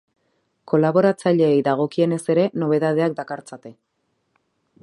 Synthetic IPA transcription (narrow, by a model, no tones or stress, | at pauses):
ko̞laβo̞ɾat͡saʎe̞ːjðaɣ̞o̞kie̞ne̞se̞ɾe̞no̞β̞e̞ð̞að̞e̞ak̚d̪akaɾt͡sat̪e̞